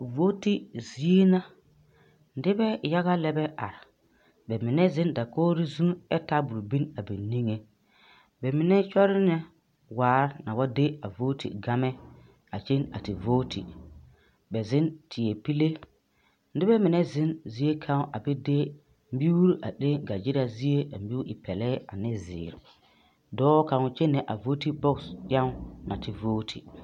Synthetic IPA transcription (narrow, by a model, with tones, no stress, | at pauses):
vo˦ti˦zi˨e˦na˦ | n̩˨˦dɪ˦bɛ˦ja˦ɣa˦lɛ˦bɛ˦ʔa̰˨ɾa˨ | bɛ˨mɪ˨nɛ˦zɪ̃˦nda˨koː˦ɾi˦zũ˦ɛ˦ta˦bʊ˨ɾbi˦na˨bi˨ni˦ŋe˨ | bɛ˨mɪ˨nɛ˦t͡ʃɔ˦ɾɪ˦nɛ˦ | waː˨˦ɾna˨wa˦de˦a˨vo˦tḭ˨ɡa˦mɛ˦ | a̰˨t͡ʃe˦na̰˨tɪ˨voː˦tʰḭ˨ | bɛ˨zɪ˦ntʰɪ˨e˨pi˦le˦ | n̩˦dɪ˦bɛ˦mɪ˨nɛ˦zɪ˦nzi˦e˦kʰa˦ŋ˦ʔa˨bɛ˦de˦ | m̩˦bi˦u˦ɾi˦ʔa˨ɗe˦ɡa˨d͡ʒi˦ɾa˨zi˦e˦a˨mbi˦u˦ɪ˨pʰɛ˨lɛː˦a˨nɪ˦zɪ̰ː˨ɾɪ̰˨ | dɔː˦ka˨ŋ˨t͡ʃe˦nɛ˨ʔa˨voː˦ti˦bɔ˦ksja˦ŋ˦na˨tɪ˨voː˦tʰḭ˨